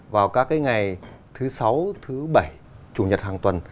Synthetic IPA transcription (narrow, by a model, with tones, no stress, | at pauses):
vaː˨˩wkaː˦˥kːaː˨˦jŋa˨˩jt̪ʰɨ˨˦sa˨˦wt̪ʰɨ˨˦ɓə˧˩j | t͡ɕu˨˧˩ɲə˨˩t̚haː˨˩ŋt̪wə˨˩n